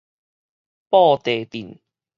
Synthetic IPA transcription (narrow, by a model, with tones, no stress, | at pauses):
pɔː˥˧t̪eː˨˩t̪i˨˩n